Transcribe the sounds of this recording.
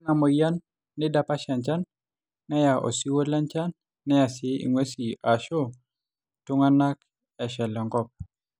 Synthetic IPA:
ŋa˨mɔ˨ja˦nː | ɪ˦da˦pa˦ʃa˨nt͡ʃa˦nː | ɛ˦ja˨ʔɔ̰˨si˦wo˦la˦nt͡ʃa˦nː | ɛ˦ja˨sɪ˦ḭ˨ŋwe˦si˨a˨ʃo˦ | tʊ˦ŋa˦na˦k | ɛ˨ʃɛ˨lɔ˨ŋɡɔ˦p̚

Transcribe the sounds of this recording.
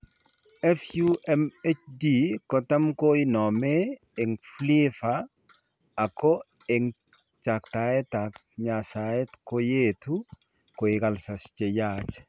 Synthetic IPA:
ɛ˦fjuʔɛmɛt͡ʃdikɔ˦ta˦mko˦inɔ˨me˦ | ɪ˨ŋflifaː˨ | ko˦ | ɪ˨ŋ | t͡ʃa˨kta˨e˦ta˨k | ɲa˨sa˨jɛ˦tko˦je˦tu | ko˨ɪ˨ka˨lsa˨st͡ʃe˨jat͡ʃ

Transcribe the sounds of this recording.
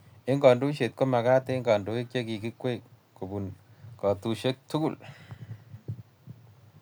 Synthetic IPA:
e˦ŋɡa˨ndu˦ʃe˨t̚ko˦ma˨kaː˦te˦ŋɡa˨ndu˨e˦k̚t͡ʃe˦ki˨ki˦kwe˦˨k̚ | ko˨bu˨nkɔ˨tu˨ʃe˦k̚tu˦ku˦˨l

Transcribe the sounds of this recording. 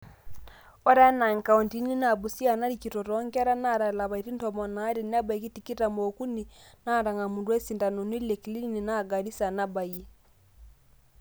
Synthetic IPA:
ɔ˦ɾa˦na˨ŋka˨unti˦ni˦na˨βu˨si˦a˨na˦ɾiki˨tɔ˨ɾɔŋɡɛ˦a˦ɾa˦na˦ɾa˨la˨βa˨i˨ɾi˦ntɔmɔ˨naː˦ɾe˨ni˦a˦ba˨i˦ki˦ti˨ki˦ta˨mo˨ku˦ni˨na˦˨ɾa˨ŋɡa˨mu˨dwe˦si˨nda˨no˨ni˦le˨kili˦ni˨na˦ɡa˨ɾi˦sa˨na˦βaie˦

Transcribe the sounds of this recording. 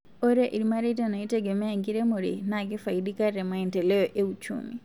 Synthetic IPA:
o˦ɾe˦ʔi˨ɾma˦ɾe˦tana˨i˦teɡe˨me˦aŋɡiɾe˦moɾḭ˨naɡi˦fa˨idi˦ka˦rɛ˨ma˨ɛ˨nte˨le˦jɔʔe˦ut͡ʃṵ˦mḭ˨

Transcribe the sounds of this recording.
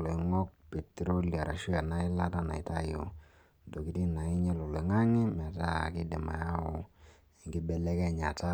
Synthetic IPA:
lo˨i˨ŋɔ˦k̚pe˨tɾo˦lja˨ɾa˨ʃu˦a˨na˦i˦la˦ta˦na̰˨ḭ˨ta˦jo̰˨ | do˨ki˨˦ti˦na˨i˦ɲɛ˦lo˨le˨ŋa˦ŋi˦mɛ˨ta˦˨ki˦de˨ma̰˨ja˦o˨ | ŋɡi˦bɛ˦lɛ˦kɛ˦˨ɲa˨ta˦

